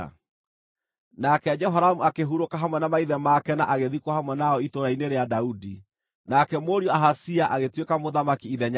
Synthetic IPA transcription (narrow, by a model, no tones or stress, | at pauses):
nakɛd͡ʒɛɦaɾamuakeɦuɾokaɦamwɛnamaiðɛmakɛnaʔaɣeðikwahamwɛnaɔitoɾaineɾeadaudi | nakɛmoɾiɔaɦasiaʔaɣetwekamoðamakiiðɛɲa